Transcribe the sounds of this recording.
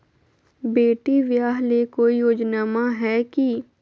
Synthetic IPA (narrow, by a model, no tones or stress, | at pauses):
beːʈiʋjaːɦlekoːijoːd͡ʒnaːmaɦɛːki